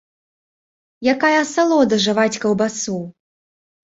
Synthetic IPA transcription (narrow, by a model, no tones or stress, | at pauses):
jakajɐsalˠɔd̪ɐʐɨvat͡sʲkɐwbasu